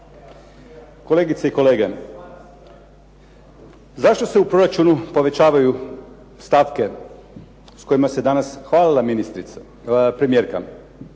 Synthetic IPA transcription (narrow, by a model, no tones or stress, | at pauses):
ko̞leɡit̪seiko̞leːɡe | zaʃt̪o̞seupɾo̞ɾat͡ʃunupo̞ʋe̞t͡ɕaːʋaju | st̪aʋke̞ | sko̞imased̪anasxʋaːlilˠaminist̪ɾit̪s | pɾemieːɾka